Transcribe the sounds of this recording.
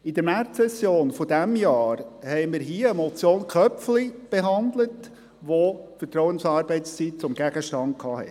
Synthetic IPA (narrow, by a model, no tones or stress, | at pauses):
ɪd̥̪əɾmæɾtsɛsjoːnfɔd̥æmjɑːɾhɛɪmɪɾɦiːəəmɔt͡sjoːnkʰœpflib̥eɦɑndlət | ʋofətɾɔʊənsɑːɾbɛɪtst͡sit̚t͡sʊmɡæɡ̥əʃtɑnt̚kʰɑːhɛ̰t